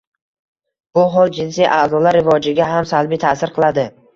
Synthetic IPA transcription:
b̥ʊɦɒlˠd͡ʒɪnsijʔazɒlaɾːɪvɒd͡ʒɪɡʲaɦamsalˠbit̪ʰasɪɾqʰɨlˠad̪ɪ

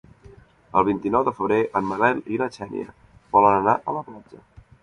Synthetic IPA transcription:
əlˠβ̞int̪inɔwd̪əfəβɾeʔəmːəlɛlilət͡ʃɛnḭə̰ | βɔlənənaʔələplad͡ʒə

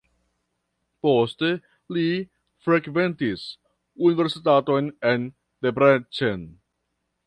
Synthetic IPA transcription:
poste̞ | li | fɾekve̞ntis | unive̞ɾsitato̞jnen | debɾet͡ʃen

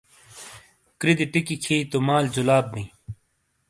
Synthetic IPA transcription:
kɾid̪iʈikikʰiːt̪omaːld͡ʑulaːb̚ːĩ

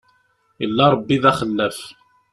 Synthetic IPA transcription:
jəlːɑɾˤbːiðæχəlːæf

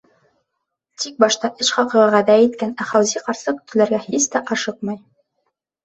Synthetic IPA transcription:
t̪ik̚bɑʃt̪ɑʔɘʃχɑqɤ̆ʁɑʁæðæjit̪kænæχɑwziqɑɾsɤkɵ̥̆t̪ɘ̆læɾɡæhist̪æʔɑʃɤq̚mɤj

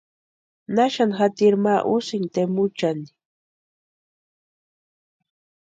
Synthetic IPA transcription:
naʃanxat̪iɾmaʔʊsɪnt̪emʊt͡ʃani̥

